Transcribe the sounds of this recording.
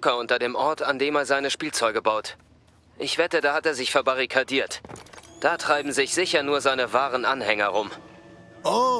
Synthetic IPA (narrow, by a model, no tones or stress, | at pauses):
t͡sʊkɐʊntɐdeːmʔɔɐtandeːmeːɐzaɪnəʃpiːlt͡sɔʏɡəbaʊt | ʔɪçv̥ɛtədaːhateːɐzɪçfɛɐbaʁ̞ikʰadiːɐtd̥aːtʁ̥aɪbm̩zɪçz̥ɪçɐnuːɐzaɪnəvaːʁənʔanhɛŋɐʁʊm | o